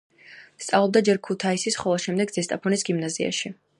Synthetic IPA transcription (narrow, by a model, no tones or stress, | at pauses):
st̪sʼavlˠɔb̚d̪ad͡ʒɛɾkʰut̪ʰaisisχɔlˠaʃɛmd̪ɛɡ̪z̥ɛst̪ʼapʰɔnisɡimnazia̰ʃi